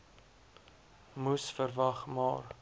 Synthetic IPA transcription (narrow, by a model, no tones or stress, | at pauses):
musfərvɐχmɑ̰ːr